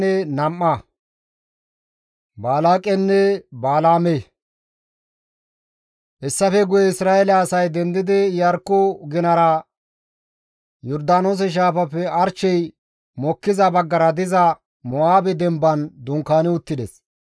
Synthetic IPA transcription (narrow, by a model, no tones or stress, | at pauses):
ɛnɐmːɐ | baːlaːkʼːɛnːɛbaːlaːme | ʔɛsːɐfɛɡʊjɛɪsɾaːɛlɐːsɐjd̪ɛnd̪ɪd̪ɪjɐɾkːɔɡɪnɐɾɐ | jɔɾd̪aːnoːs̬ɛʃ̬aːfɐpːɛɐɾt͡ʃːɛj | mɔkːɪzɐbɐɡːɐɾɐd̪ɪzɐ | mɔaːbɛd̪ɛmbɐnd̪ʊŋkːaːnɪʊt̪ːɪd̪ɛs